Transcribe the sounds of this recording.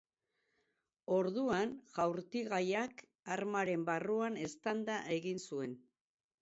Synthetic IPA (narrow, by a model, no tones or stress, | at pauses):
o̞ɾðuanʝawɾt̪iɣajak | aɾmaɾe̞mbaruane̞st̪and̪aʔe̞ɣinsue̞n